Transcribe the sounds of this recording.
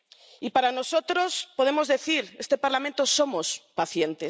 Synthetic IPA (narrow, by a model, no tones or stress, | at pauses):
ipaɾanosot̪ɾospoðemozðeθiɾest̪epaɾlamẽnt̪osomospaθjent̪e